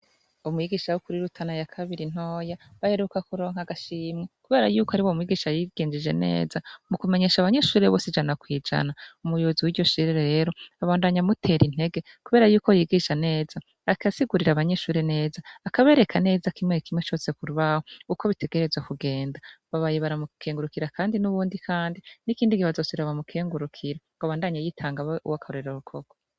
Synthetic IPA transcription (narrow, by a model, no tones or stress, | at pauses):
umwiɡiːʃawukuɾiɾutʰanajakʰaβiɾin̥o̞ːjaβaheɾukakuɾo̞ːŋ̥haɡaʃiːmŋekuβe̞ːɾajuːkohaɾiwomwiɡiʃajiɡ̥eːnd͡ʒid͡ʒe̞̰ne̞̰ːzamukume̞ɲe̞ːʃaβaɲe̞ʃuːɾeβo̞ːsid͡ʒanakwiːd͡ʒa̰naumujoziwiɾɟo̞ʃiɾeɾeɾe̞ːɾo̞aβaːndaɲamutʰe̞ɾin̥e̞ɡe̞ | kuβe̞ːɾajuːko̞jiɡiʃane̞ːz̥a | akʰasiɡuɾiɾaβaɲe̞ʃuːɾene̞ːzaːkaβeɾe̞kʰane̞ːzakimŋekʰimŋet͡ʃo̞ːse̞kuɾuβahouko̞βite̞ɡeɾe̞zwakuɡe̞ːndaβaβajeβaɾamukʰeːŋɡuɾukiɾakʰaːndinuβuːndikʰaːndinikiːndikihazoːsiɾaβamukʰeːŋɡuɾukʰiɾaŋɡaβaːndaɲajitʰaːŋɡaṵwakʰahoɾeɾoɾukʰoɡ̥o